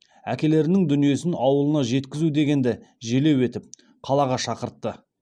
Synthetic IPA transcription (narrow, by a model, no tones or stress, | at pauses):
ækʲe̞le̞ɾɪnɪŋd̪ʏnije̞sɪnɑwəlˠənɑʒe̞t̪kʲɪzud̪e̞ɡʲe̞nd̪ɪʒele̞we̞t̪ɪp̚ | qʰɑlˠɑʁɑʃɑqəɾt̪ːə